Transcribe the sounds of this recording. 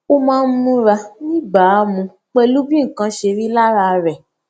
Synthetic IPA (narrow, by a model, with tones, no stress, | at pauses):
o˦mãː˦˧n̩˦mũ˦ɾa˧nĩ˦ɡ͡ba˨˦˨mũ˧ | k͡pe˧lu˦bĩ˦ŋ̩˨kã˧ʃe˧ɾi˦la˦ɾa˧ɾɛ˨